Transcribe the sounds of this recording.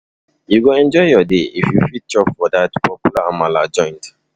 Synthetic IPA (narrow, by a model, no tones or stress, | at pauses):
juɡoɛ̃nd͡ʒɔɪjɔdeifjufit̚t͡ʃɔpfɔdatpʰɔpjulaamalad͡ʒɔ̃ɪ̃nt